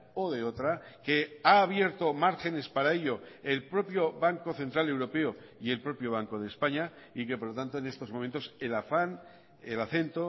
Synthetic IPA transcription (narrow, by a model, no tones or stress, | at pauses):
oðe̞ot̪ɾake̞aːβje̞ɾt̪o̞maɾxe̞ne̞spaɾae̞ʎo̞elpɾo̞pjo̞βaŋko̞θe̞nt̪ɾale̞wɾo̞pe̞o | ie̞lpɾo̞pjo̞β̞aŋkoð̞e̞ːspaɲa | ikepoɾlot̪ant̪o̞ene̞st̪omo̞m̃nt̪o̞selafan | elaθe̞nt̪o